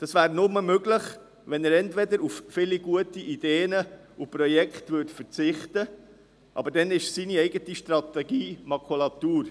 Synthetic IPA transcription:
d̪̥ɑsʋæːɾnʊməmøɡləχ | ʋɛnɛɾɛntʋɛd̪əɾuffɪliɡuətiʔid̥eːnə | upɾɔjɛkχtvʏtfəɾt͡sɪχt̪ə | ʔɑ̰bəɾdɛnɪʃsiniɛɪɡətiʃtɾɑt̪ɛɡiːmɑkʰulɑt̪uːɾ

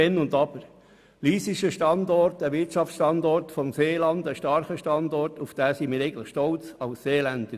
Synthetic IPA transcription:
ɛnːʊndɑbəɾ | liːsiʃəʃtɑndɔɾtəʋɪtʃɑft͡sʃtɑnd̪ɔrtfɔmseːlɑndəʃtɑɾχəʃtɑndɔrtufd̥æːsimiːɾeɪɡən̩tləχʃtɔlt͡sɑʊsseːlænd̥ə

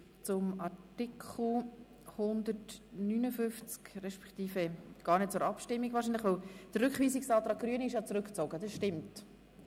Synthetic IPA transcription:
t͡sʊmɑrtɪkʰl̩ | hʊndətnynəfʏft͡skrɛʃpɛ̥kt̪iːfɛɡ̥ɑːrnet̚t͡sʊːɾɑpʃtɪmːikvɑːɾʃ̬inləχʋɛld̥ərʏkχʋiːsɪksɑːt̪ɾɑːk̚ɡ̥ɾyənəɪʃjɑt͡sɾʏkt͡soːɡədɑsʃtɪmt

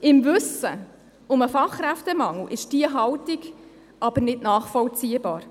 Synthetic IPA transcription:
ɪmvɵsə̰ | ʊməfɑχɾæft̪əmɑŋl̩ʔɪʃd̥iəɦɑwtiɡ | ʔɑb̥əɾnɪdnɑːχfɔlt͡siːəbɑːɾ

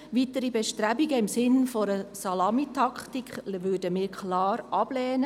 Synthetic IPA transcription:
ʋitəɾibɛʃtɾæbiɡəɪmsɪnfɔɾəsɑlɑmitʰɑkχtikχʋøːdəmɪːɾkʰlɑːɾʔɑb̥lɛːnə

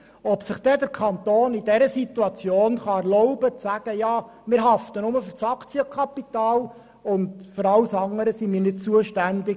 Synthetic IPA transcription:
ɔpsɪχd̥ɛd̪əɾkʰɑnt̪oːnidɛɾəsit̪uɑt͡sjoːnχɑɛɾlɔʊbət͡sæɡ̥əjɑːmɪɾɦɑft̪ənʊməfʏɾt͡sɑkt͡sjəkʰɑpit̪ɑːl | ʊndfʏɾɑlsɑŋːəɾəsimɪːɾnɪdt͡suəʃtænd̪ɪ

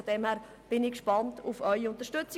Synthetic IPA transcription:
ɔd̥ɛmhæːɾ | b̥ɪnɪkʃpɑntʊfœʏiʊntəɾʃtʏt͡sɪ

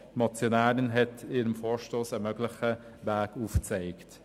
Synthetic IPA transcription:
mɑt͡sjonaːɾɪnɦɛtiːɾəmfoːɹʃtoːsəmœɡlɪχə | væːɡuːft͡seɪkt

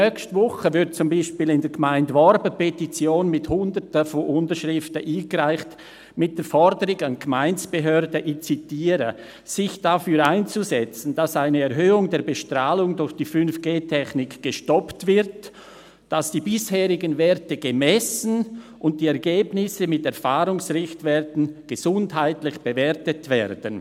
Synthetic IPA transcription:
nœkstvɔχəvɪɾd̚t͡sʊmbaɪʃpiːlɪndeːɐɡ̥əmaɪndvɔɾbəpɛtit͡sjoːnmɪthʊndətəfɔʔʊntəʃʁɪftəʔiːɡɾaɪçt | mɪt̚d̥eːɾfɔɾdəɾɪɡanɡmaɪnsb̥əɦøɐdəʔɪt͡sitiːɾə̰ | z̥ɪçd̥afyːɾaɪnt͡suzɛt͡sn̩d̥asaɪnəɛʁɦøːʊŋdeːɐbəʃtʁaːlʊŋdʊɾçd̥iːfʏnfɡ̥eːtʰɛxnɪkɡ̥əʃtɔptv̥ɪɾt | d̥asd̥iːbɪsheːʁɪɡənvɛːɐtəɡ̥əmɛsn̩ | ʔʊnt̚d̥iːɛɐɡeːbnɪsəmɪtɛɐfaːʁʊŋsʁɪçtv̥ɛtən̩ɡ̥əzʊndhaɪtlɪçb̥əvɛːʁtətv̥ɛːɾdən

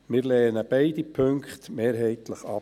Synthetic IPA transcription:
mɪːɾlɛːənəb̥ɛɪdipʰɵŋkχt̪meːɾɦɛɪt̪ləχɑp

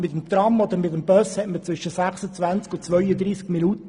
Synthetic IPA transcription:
mɪtəmt̪rɑmod̪əɾmɪt̪əmbœshɛtmət͡sʋʏʃəsæχsət͡svænt͡skʊnt͡sʋœʏəd̪ɾiːskminut

